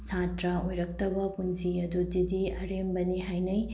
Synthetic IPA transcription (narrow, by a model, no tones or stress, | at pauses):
satɾɐojɾɐk̚tɐbɐpunsiɐdudidiɐɾembɐniɦajnɐj